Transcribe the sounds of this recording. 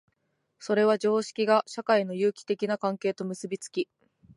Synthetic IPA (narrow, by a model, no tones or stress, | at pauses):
so̞ɾe̞β̞aʑo̞ːɕi̥kʲiɡaɕakaino̞jɯ̟ːkʲi̥t̪e̞kʲinakãŋke̞ːt̪o̞mɯ̟sɨbʲit͡sɨ̥kʲi